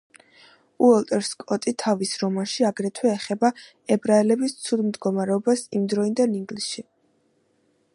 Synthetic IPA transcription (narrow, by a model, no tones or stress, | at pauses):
uɛlt̪ʼɛɾskʼɔt̪ʼit̪ʰavisɾɔmanʃiaɡɾɛt̪ʰwɛːχɛba | ɛbɾaɛlɛbist̪sʰud̪md̪ɡɔmaɾɛɔbasimd̪ɾɔind̪aniŋɡlisʃi